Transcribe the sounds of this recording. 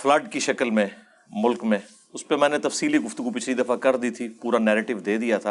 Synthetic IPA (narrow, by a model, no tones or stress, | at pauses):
fʰlɐɖkiʃɐkəlmẽ | mʊlkmẽ | ʊspemɛ̃ːnet̪ɐfsiːliɡʊft̪ʊɡupɪt͡ʃʰlid̪ɐfakɐɾd̪iːt̪ʰipuːɾanɛːɾeːʈɪʋd̪eːd̪ijat̪ʰaː